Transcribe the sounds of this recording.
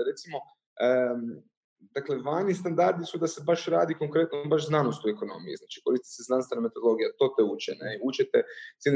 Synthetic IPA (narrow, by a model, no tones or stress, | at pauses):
ɾe̞t̪simo̞ | ə | d̪akle̞ʋanist̪and̪aɾd̪isud̪ase̞baʃɾaːd̪iko̞ŋkɾe̞t̪nombaʃznanost̪ueko̞no̞̰mijḭznaːt͡ʃi̥ko̞ɾist̪it̪seznanst̪ʋe̞name̞t̪od̪olo̞ɡijat̪o̞ːt̪eut͡ʃḛneut͡ʃet̪et̪sin